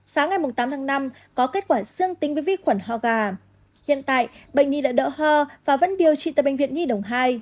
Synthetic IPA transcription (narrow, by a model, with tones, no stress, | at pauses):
saː˨˦wŋa˨˩jm˨˩ŋ͡mt̪aː˨˦mt̪ʰaː˨˦ŋna˧m | kɔ˨˦ke˦˥t̚kwaː˧˩zɨ˧əŋt̪i˨˦ŋ̟vəː˨˦jvḭ˧˥xwə˧˩nhɔ˧˩ɣaː˨˩ | hḭ˧˨ənt̪a̰ː˧˨jɓə̰˧˨ŋ̟ɲi˧ɗa̰ː˧˥ɗə̰ː˧˥hɔ˧˩vaː˨˩və˧˥nɓi˨˩əwt͡ɕḭ˧˨t̪əː˨˩ɓḛ˧˨ŋ̟vḭ˧˨ənɲi˧ɗə˨˩wŋ͡mɦaː˧j